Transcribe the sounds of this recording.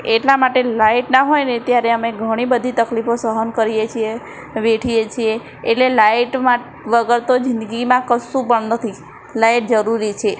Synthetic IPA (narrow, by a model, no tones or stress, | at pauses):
eʈlamaʈelaiʈnaɦojnet̪jaɾeəmeɡʱəɽ̃ibəd̪ʱit̪əklifosəɦənkəɾijet͡ʃʰie | ʋeʈʰijet͡ʃʰieː | ʈlelajʈma | ʋəɡəɾt̪od͡ʒɪ̃nd̪əɡimãkəsũpəɳnət̪ʰi | lajʈ̚d͡ʒəɾuɾit͡ʃʰe